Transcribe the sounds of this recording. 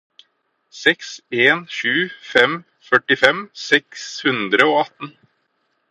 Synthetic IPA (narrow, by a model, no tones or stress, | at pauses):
sɛkseːnʃʉːfɛm | fœʈɪfɛmsɛkshʉnd̪ɾəoːɑt̪n̩